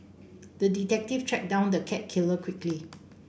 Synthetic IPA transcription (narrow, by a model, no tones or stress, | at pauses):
dəditɛk̚tiftɹɛk̚dãʊ̃ndəkʰɛt̚kʰɪləkʰwɪkli